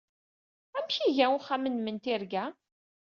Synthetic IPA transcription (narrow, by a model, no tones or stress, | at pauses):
æmçiʝæʊχæmənmənt̪iɾɡæ